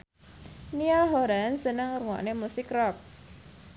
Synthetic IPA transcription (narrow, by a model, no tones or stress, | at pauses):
nialɦoɾansənəŋruŋɔ̰ʔnemusɪkrɔp̚